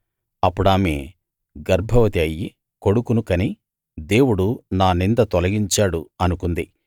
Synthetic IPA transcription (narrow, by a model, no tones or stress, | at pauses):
ɐpːuɽaːmḛː | ɡɐɾbʱɐʋɐt̪iɐjːi | ko̞ɽukunukɐni | d̪e̞ːwuɽunaːnind̪ɐt̪ɔlɐɡiɲt͡ʃaːɽuɐnukund̪i